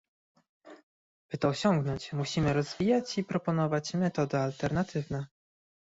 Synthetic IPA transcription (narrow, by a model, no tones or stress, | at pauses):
b̥ɘt̪ɔːɕɔŋɡnɔɲt͡ɕmuɕimɘɾɔzvʲijat͡ɕipɾɔpɔn̪ɔvat͡ɕmɛt̪ɔd̪ɘalt̪ɛɾnat̪ʰɘvnɛ